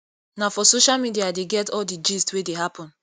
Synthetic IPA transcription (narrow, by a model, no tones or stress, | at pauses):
nafɔsoʃalmidiadeɡɛtɔldid͡ʒistwedeɦapɔ̃n